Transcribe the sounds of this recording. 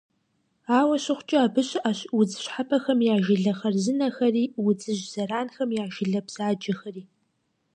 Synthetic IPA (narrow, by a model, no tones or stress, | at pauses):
aːwɐɕɪχʷt͡ʃʼɪaːbɨɕaːɕwʊd͡zɨɕħapʰɐxɐmjaːʒɪɮɐχɐrzɨnɐxɐriːwʊd͡zɨʒz̥ɐɾaːnxɐmjaːʒɪɮɐbz̥aːd͡ʒʼɐxɐriː